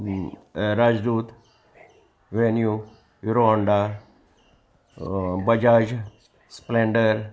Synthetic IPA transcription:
ɾaːd͡ʒd̪uːt̪ | ʋenju | juɾoaɳɖa | bɐd͡ʒaːd͡ʒ | spleɳɖəɾ

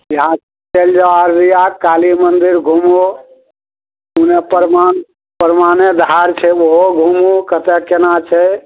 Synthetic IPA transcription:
jəɦã | t͡ʃeld͡ʒaaɾɾijakalimənd̪iɾɡʱumu | unepəɾman | pəɾmaned̪ʱaɾt͡ʃʰɛwoɦoɡʱumukət̪ɛkenat͡ʃʰɛ

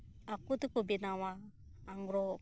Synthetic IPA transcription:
akut̪ukɔbinawaː | ŋɡɾɔ

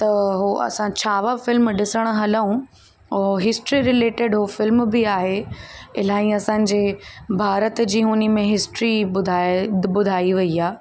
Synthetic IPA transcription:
t̪ɐɦoʔɐ̰sãt͡ɕʰaːʋafɪlmɖɪsəɽ̃ɦɐləũ | oɦɪsʈɾiɾɪleːʈɪɖɦofɪlmbɪaːɦeɪlaːĩɐsãːɲ̆d͡ʑeːbʱaːɾət̪d͡ʑiːɦʊnimẽɦɪsʈɾiʊd̪ʱabʊd̪ʱaːiʋɐiaː

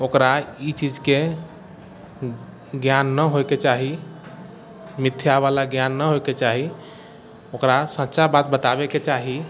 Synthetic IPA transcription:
okɾait͡ʃid͡ʒke | ɡjanːəɦojket͡ʃaɦi | mit̪ʰːjaʋalaɡjanːəɦoket͡ʃaɦi | okɾasə̃t͡ʃabat̪̚bət̪abeket͡ʃaɦi

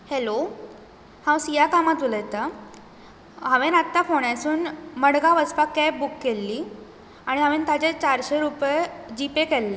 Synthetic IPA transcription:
helo | hãwsijakamat̪uləjt̪a | ɦəʋenat̪ːafoɳ̃asuːnməɽɡaʋəspakːɛp̚bukːelːiː | aɽ̃iɦə̃ʋent̪at͡ɕet͡ɕaɾɕeɾuped͡ʑipekɛlːe

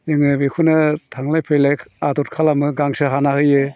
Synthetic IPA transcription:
ɯŋɯbekʰunɯtʰaŋlajpʰejlajkadɔt̚kʰalamɯɡaŋsɯɦanahɯjɯ

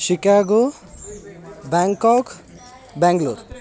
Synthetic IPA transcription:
sikaɡo | baŋkɔk | baŋɡloɾ

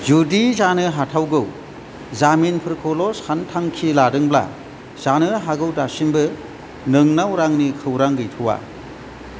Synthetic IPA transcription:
zudizanɯɦatʰawɡɯw | zaminpʰɯɾkʰɔlɔshantʰaŋkʰiladɯŋbla̰ | zanɯɦaɡɯwdasimbɯ | nɯŋnawɾaŋnikʰɯwɾaŋɡɯjtʰɯwa̰

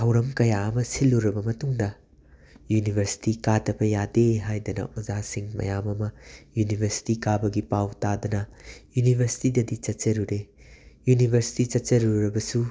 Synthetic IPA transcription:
tʰɐwɾɐmkɐjaɐmɐsilːuɾɐbɐmɐtuŋdɐ | junibʱɐɾsi̥tikadɐbɐjadeɦajdɐnɐ̰ʔozasiŋmɐ̰jamɐmɐjunibʱɐɾsi̥tikabɐɡipawtadɐnɐjunibʱɐɾsi̥tidɐdit͡ʃɐtt͡ʃɐɾuɾejunibʱɐɾsi̥tit͡ʃɐt̚t͡ʃɐɾuɾɐbɐsu

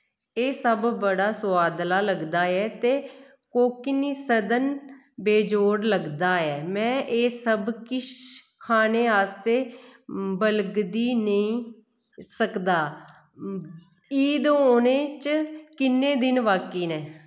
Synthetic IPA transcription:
eːsəbbəɽaːsʊaːd̪laːləɡd̪aːɛːt̪eː | koːkɪniːsəd̪ən | beːd͡ʒoːɽləɡd̪aːɛːmɛ̃ːʔeːsəbkɪʃ | kʰaːneːaːst̪eː | bəlɡd̪iːnəĩː | səkd̪aː | iːd̪oːneːt͡ʃkɪnːẽːd̪ɪnʋaːkiːnɛː

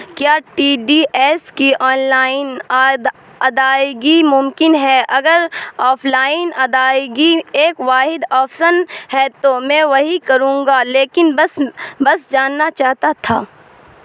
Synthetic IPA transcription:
kjaːʈiːɖiːʔɛːskiʔɔːnlaːɪnad̪ | ɐd̪aːɡimʊmkɪnɦɛʔɐɡəɾɔːfʰlaːɪnɐd̪aːɡieːkʋaːɦɪd̪ɔːfsənhɛt̪omɛ̃ʋɐɦikɐɾũːŋɡaleːkɪnbɐsbɐsd͡ʒaːnːat͡ʃaːɦt̪at̪ʰaː

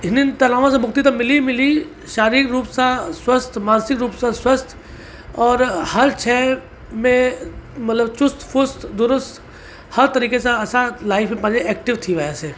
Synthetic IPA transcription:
ɪnint̪ɐnaːʋãs̬ẽbʊkt̪it̪ɐmɪlimɪli | ʃaːɾikɾuːpsaswəst̪ʰmãːnsɪkɾuːpsãswəst̪ʰ | ɔːɾhɐɾt͡ʃʰɛː | mẽmɐt̪ləbt͡ʃʊst̪fʊst̪d̪ʊɾʊst̪ | hɐɾt̪ɐɾiːkeseɐsalaːɪfmẽpãːd͡ʒeɛːk̚ʈɪʋt̪ʰiʋajaseː

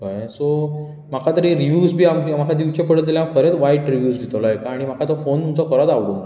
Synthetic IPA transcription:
kajso | m̤akʰat̪əɾiɾiʋjuːsbʱiːammakʰad̪iʋt͡ɕepəɽ̤ət̪lljakʰəɾet͡sʋaiʈɾiʋjuːsd̪ʱit̪lɔɦekaːɽ̃im̤akʰat̪ɔfont̪umt͡sɔkʰəɾat̪aʋɽuna

